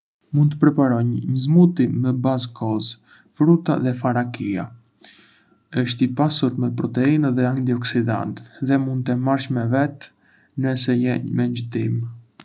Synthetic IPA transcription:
mund̪t̪əpɾɛpaɾɔɲːəzmut̪imɛbazkʰɔz | fɾut̪a̰ðɛfaɾakia̰ | əʃt̪ipasuɾmɛpɾɔt̪ɛinðɛant̪iɔksid̪a̰nt̪ðɛmund̪t̪ɛmaɾʃmɛvɛt̪ | nəsɛjɛɲmɛɲd͡ʒət̪im

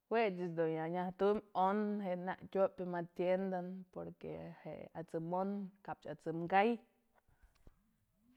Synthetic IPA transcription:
wet͡ʃisd̪unjaɲaht̪umonheʔna̰ʔtʲopemat̪jend̪anpoɾkḛhḛʔat͡sɨmonkap̚t͡ʃat͡sɨmɡaj

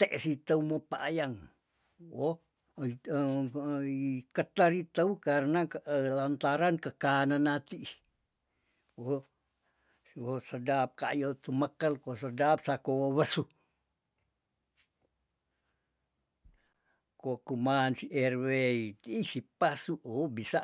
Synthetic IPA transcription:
t̪eʔsit̪aumopaʔːjaŋ | wo | kət̪aɾit̪əukarnalant̪aɾankəkananat̪i | o | wosədap̚kajot̪uməkəlkosədap̚sakoβəsu | kokumansiʔɛrweit̪iːsipasuʔobisa

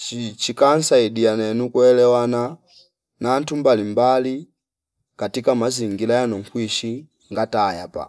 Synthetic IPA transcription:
t͡ʃit͡ʃikan̩saidijanɛnukwɛlɛwana | nan̩tumbalimbali | katikamaziŋɡilajanɔŋkwiʃi | ŋɡatajapa̰

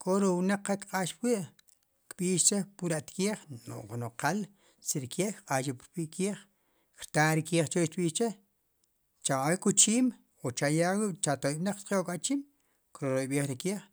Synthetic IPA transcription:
kʰʼoɾownaq͡χːak̪kqʼaːʃpwiʔ | kɓiːʃt͡ʃepuɾaʔt̪kiːχno̰ʔnoqal | siɾkeːkqʼaːʃipɾɓiʔkiːχ | kɾt̪aɾikiːχt͡ʃoʃt̪ɓiːʃt͡ʃe | t͡ʃamawekut͡ʃiːm | ot͡ʃajawiʔt͡ʃat̪ojiɓnaq͡χtqeʔokʼat͡ʃiːm | kɾoɾoɓiːχɾikiːχ

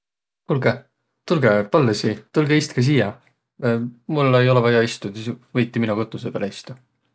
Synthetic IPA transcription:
kulɡe | t̪ulɡepɑlːesit̪ulɡeist̪kɑs̬iːjɑ | mulːe̞jo̞lɛvɑjɑist̪usisvɤjt̪ʲːˑiminuko̞t̪ːˑusepeleist̪u

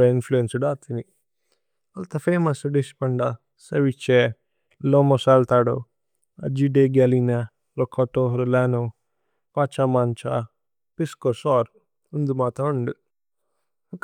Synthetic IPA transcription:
ɐinfluensɐɖaːt̪ʰini | ɐlt̪ɐfeːmɐsɖispɐɳɖɐ | sɐʋit͡ʃːe | loːmosaːlt̪aːɽo | ɐ̰d͡ʒiɖeɡalina | lokʰoʈoɦɾulaːno | pat͡ʃamant͡ʃa̰ | piskosɔːɾ | und̪umaːt̪ɐɐɳɖu | ɐk

